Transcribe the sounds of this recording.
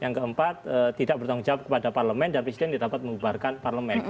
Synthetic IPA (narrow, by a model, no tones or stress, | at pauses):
jaŋkəəmpat̪ət̪idaʔ̚bərt̪auŋd͡ʒawap̚kəpadaparləmɛndanpɾesidɛndidapat̪̚məŋubarkanparləmɛn